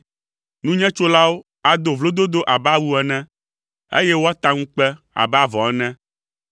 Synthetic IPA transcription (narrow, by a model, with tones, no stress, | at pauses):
nũ˦ɲɛ̃˦t͡ʃo˦la˦wo˦ | a˨d̪o˨vlo˦d̪o˦d̪o˦ʔa˨ba˦wu˦ɛ˨nɛ̃˦ | ḛ˦jɛ˦wo˦a˦t̪a˦ŋũ˦k͡pɛ˦ | a̰˨ba˦vɔ̃˨ɛ˦nɛ̃˦